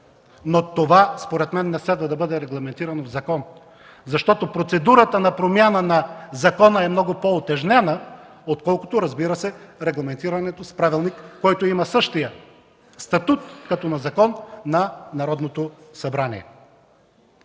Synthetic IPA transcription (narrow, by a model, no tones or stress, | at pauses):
not̪ovaspoɾɛt̪mɛnːɛslɛd̪vɐd̪ɐbɤd̪ɛɾɛɡlˠɐmɛnt̪iɾɐnɐvzɐkɔn | zɐʃt̪ɔt̪opɾot̪sɛd̪uɾət̪ənɐpɾomjanənɐzɐkɔnəɛmnɔɡʊpoot̪ɛʒnɛnə | ot̪kɔlˠkʊ̥t̪oɾɐzbiɾəsɛɾɛɡlˠɐmɛnt̪iɾɐnɛt̪ospɾavilˠnikːɔjt̪oimɐsɤʃt̪ijə | st̪ɐt̪ut̪kɐt̪ɔnɐzɐkɔnːɐnɐɾɔd̪not̪osɐbɾanḭɛ̰